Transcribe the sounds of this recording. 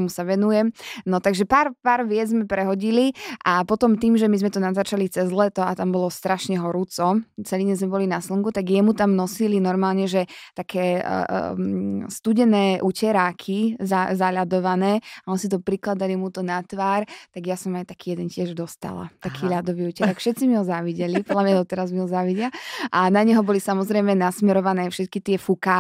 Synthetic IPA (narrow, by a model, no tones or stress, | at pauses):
musaʋɛnujɛmnɔt̪aɡʒɛpaːɾpaːɾʋɪɛd͡zzmɛpɾɛɦɔɟiliʔapɔt̪ɔmt̪iːmʒɛmizmɛt̪ɔnazat͡ʃalit͡sɛzlɛt̪ɔat̪ambɔlɔst̪ɾaʃɲɛɦɔɾuːt͡sɔt͡sɛliɲɛzmɛbɔlinaslɔŋɡut̪aɡjɛmut̪amnɔsilinɔɾmaːlɲɛʒɛt̪akʰɛ̰ː | st̪uɟɛnɛːʔucɛɾaːkʰizazaʎad̪ɔʋanɛːaɔnsit̪ɔpɾiklad̪alimut̪ɔnat̪ʋaːɾt̪aɡjasɔmajt̪akiːjɛd̪ɛncɪɛʒd̪ɔst̪a̰la̰t̪akʰiːʎad̪ɔʋiːucɛɾaːkfʃɛt̪t͡simiɦɔzaʋiɟɛlipɔd̪lamɲad̪ɔt̪ɛɾazmiɦɔzaʋiɟɪaʔanaɲɛɦɔbɔlisamɔzɾɛjmɛnasmɛɾɔʋanɛːfʃɛt̪kit̪ɪɛfukaː